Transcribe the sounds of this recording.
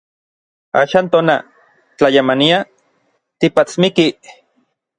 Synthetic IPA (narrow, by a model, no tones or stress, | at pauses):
a̰ːʃaːnt̪oːna | t͡ɬajamania | t̪ipat͡smiki